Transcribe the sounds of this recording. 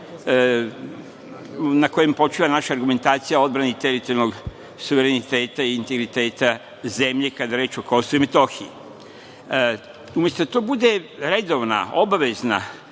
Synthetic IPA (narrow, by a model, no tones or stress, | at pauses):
nako̞jempo̞t͡ʃiːʋanaʃaːɾɡume̞nt̪aːt̪sijao̞d̪bɾanit̪e̞ɾit̪olnoɡ | suʋeɾenit̪e̞ːt̪aiːnt̪eɡɾit̪e̞ːt̪a | ze̞mʎe̞kad̪aɾe̞ːt͡ʃoko̞suimet̪o̞xii | umjest̪ot̪o̞bud̪e̞ɾe̞d̪o̞ʋna̰o̞baʋe̞zna̰